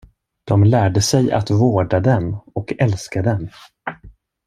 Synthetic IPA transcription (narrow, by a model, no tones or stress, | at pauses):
d̪̥ɔmlæːɖəsɛja̰t̪voːɖad̪ɛnɔkʰɛlskad̪ɛn